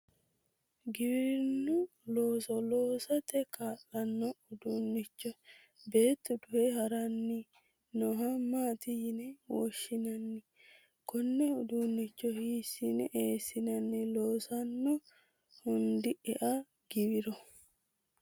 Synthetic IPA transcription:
ɡɪbɪɾɪnːʊ | loːsɔloːsɐt̪ɛkaːlːɐnːɔʊd̪uːnːɪt͡ʃːɔ | be̞ːt̪ːɔd̪ʊhɛhɐɾɐnːɪ | nɔɦɐmaːt̪ɪjɪnɛwɔ̰ʃːɪnɐnːɪ | kɔnːɛʊd̪unːɪt͡ʃːɔhiːsinɛʔeːsɪnɐnːɪloːsɐnːɔ | hʊnd̪ɪɛʔɐ | ɡ̥ɪbɪɾɔ

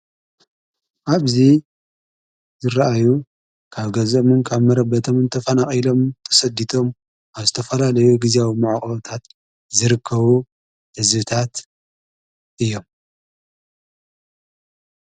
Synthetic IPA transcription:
ʔaβzi | zɨɾaʔaju | kʰaβɡɐzomɨnkʰaβmɐɾɐbɐt̪ʰomɨnt̪ʰɐfɐnaχʼilo̞mt̪ʰɐ̥sɐd̪it̪ʰo̞m | aβzɨt̪ʰɐfɐlalɐjuɡiziawimaʕaχʼɐβot̪ʰat̪ | zɨɾɨkʰːɐβu | hɨzβɨt̪ʰat̪ | ʔɨjːo̞m

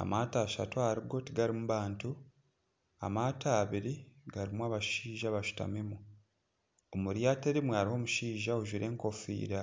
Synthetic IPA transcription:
a̰mataːʃa̰toaɾiɡo̞tiɡaɾimuβaːntu | a̰maːtʰaːβiɾiɡaɾimwaːβaʃiːʒaβaʃu̥ta̰memu | omuɾjaːteɾimwaɾiho̞ːmuʃiːʒauʒiɾʔe̞ːŋko̞fḭːɾa

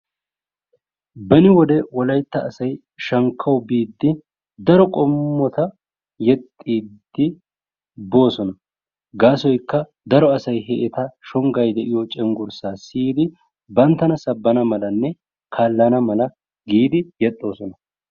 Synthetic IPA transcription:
bɐnɪwɔd̪ɛwɔlɐjt̪ːɐːsɐj | ʃɐŋkʰːɐwbiːd̪ːɪ | d̪ɐɾɔkʼɔmːɔt̪ɐ | jɛt̪ʼːiːd̪ːɪ | bo̞ːsɔnɐ | ɡaːsɔjkːɐ | d̪ɐɾɔɐsɐjɦɛʔɛt̪ɐʃɔŋɡɐjd̪ɛʔɪjɔt͡ʃʼɛŋɡʊɾsaːsiːd̪ɪ | bɐnt̪ːɐnɐsɐbːɐnɐmɐlɐnːɛ | kʰaːlːɐnɐmɐlɐ | ɡiːd̪ɪjɛt̪ʼːo̞ːsɔnɐ

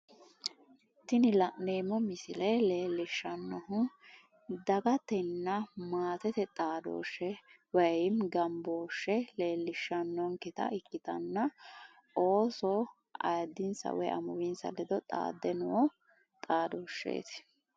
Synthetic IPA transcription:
t̪ːɪnɪlɐneːmɔmɪsɪlɛle̞ːlːɪʃːɐnːɔɦʊ | d̪ɐɡɐt̪ɛnːɐmaːt̪ɛt̪ɛt̪ʼaːd̪o̰ːʃːɛ | wɐɪmɡɐmboːʃːɛle̞ːlːɪʃːɐnːɔŋkɪt̪ɐ̰ʔɪkːɪt̪ɐnːɐ | o̞ːsɔ | ɐ̰jd̪ɪnsɐ̰wɛ̰ʔɐ̰mʊwɪnsɐ̰lɛd̪ɔt̪ʼa̰ːd̪ːɛnʊwɔ | t̪ʼaːd̪oːʃːḛːt̪

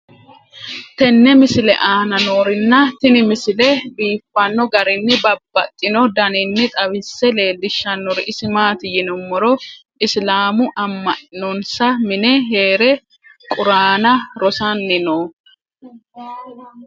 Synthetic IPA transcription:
t̪ɛnːɛmɪsɪlɛ̰ʔaːnɐnoːɾɪnːɐt̪ɪnɪmɪsɪlɛbiːfːɐnːɔɡɐɾɪnːɪbɐbːɐt̪ʼːɪnɔd̪ɐnɪnːɪt̪ʼɐwɪsːɛle̞ːdɪʃːɐnːɔɾɪʔɪsɪmaːt̪ɪjɪnɔmːɔɾɔ | ɪslaːmʊʔɐmːɐʔnɔnsɐmɪnɛɦeːɾɛ | kʼʊɾaːnɐɾɔsɐnːɪno

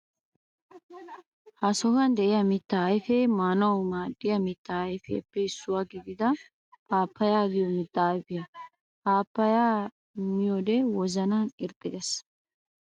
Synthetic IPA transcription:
hɐsɔɡɐnd̪ɛʔɪjɐmɪt̪ːɐːjfɛmanɐwmaːd̪ːɪjɐmɪt̪ːɐjfɛ̰ːpːɛɪsːʊwaːɡɪɡ̪ɪd̪ɐ | ʔaːpːɐjaːɡɪjomɪt̪ːaːjbɪjɐ | ʔaːpːɐjaː | mɪjod̪ɛwɔzɐnanɪɾt̪ʼːɪd̪ɛs

